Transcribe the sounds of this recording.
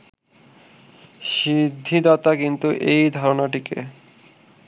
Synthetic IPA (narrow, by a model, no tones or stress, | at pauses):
ʃid̪ʱːid̪ɔt̪akint̪uʔejd̪ʱɔɾonaʈikḛ